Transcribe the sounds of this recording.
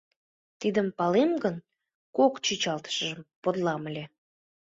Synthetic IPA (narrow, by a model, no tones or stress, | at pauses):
t̪id̪əmpɑlemɡən | kokt͡ɕit͡ɕɑlt̪ə̥ʃəʒəmpod̪lɑməlʲe